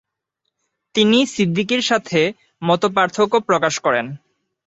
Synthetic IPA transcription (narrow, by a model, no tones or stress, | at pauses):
t̪inisid̪ʱːikiɾʃat̪ʰe | mɔt̪op̬aɾt̪ʰokopɾokaʃkɔɾen